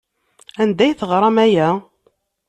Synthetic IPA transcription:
ænd̪æjθəʁɾˤɑmæjæ

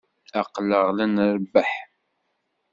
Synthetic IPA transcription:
aqləʁlænɾbəħ

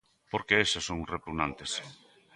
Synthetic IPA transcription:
poɾkeeʃesoŋrepuɣnant̪es

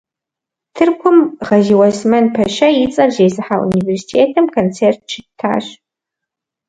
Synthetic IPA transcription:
tʰɨrkʷʰʊmʁɐʒiwɐsmɐnpʰɐʃɐjɪt͡sʼɐrzeːzɨħaʔṵniversi̥tʰeːtʰɨmkʰont͡sʰeːrt̚t͡ʃʰɪtʰa̰ːɕ

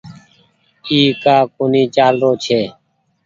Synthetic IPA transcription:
iːkaːkoniːt͡ʃaːlɾoːt͡ʃʰeː

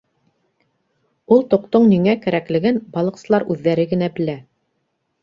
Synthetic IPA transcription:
ulˠt̪ŏqt̪oɴniŋækæɾæklɘ̆ɡɘnbɑlˠɤ̆qsɤ̆lˠɑɾʉðːæɾɘɡɘ̆næbɘ̆læ

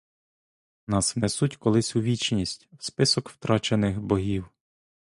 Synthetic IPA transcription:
nɑsʋnɛsutʲkɔlˠɪsʲuʋʲit͡ʃnʲisʲtʲwspɪsɔkwt̪ɾɑt͡ʃenɪxbɔɦʲiw

